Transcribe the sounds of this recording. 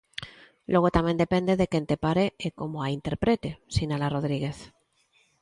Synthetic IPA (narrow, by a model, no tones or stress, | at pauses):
loɣ̞ot̪amend̪epe̞nd̪eðekent̪epaɾeekomoaint̪e̞ɾpɾet̪esinalaroð̞ɾiɣe̞θ